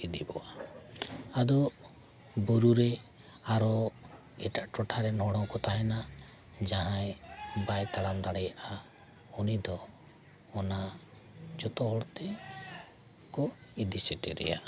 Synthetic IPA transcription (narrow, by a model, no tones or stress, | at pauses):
id̪ibɔ̰a | ad̪ɔ | buɾuɾɛ | aɾɔ | ɛʈaʔʈɔʈʰaɾɛnɔɽ̃ɔwkɔt̪aɦɛna | d͡ʒaɦãjbajt̪aɽamd̪aɽɛjaʔa | ɔnid̪ɔː | na | d͡ʒɔt̪ɔɦɔɭt̪ɛ | kɔid̪isɛʈɛɾɛ̰ja̰